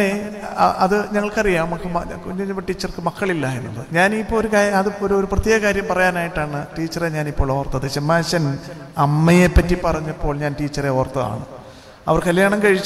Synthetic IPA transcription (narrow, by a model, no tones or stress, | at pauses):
neɐðɨɲɐŋːɐɭkɐrijaːɳmɐkːɨmɐkuɲːumɐɲːɐpːoʈːiːt͡ɕːɐrkɨmɐkːɐɭilːaːjenːuɭːɐðɲaːnipːoːoɾukaɐðɨoɾuoɾuprɐt̪jeːɣɐkaːɾjɐmpɐrɐjaːnaːjiʈːaːɳɨʈiːt͡ɕːɐreɲaːnipːoːɭoʋɐrt̪ːɐðɨɕemːaːɕɐn | ɐmːɐje̞pːɐtːipɐrɐɲːɐpːo̞ːɭɲaːnʈiːt͡ɕːɐreort̪ːɐða̰ːɳɨ̰ | ɐ̰ʋɐrkɐljaːɳɐnkɐɻit͡ɕː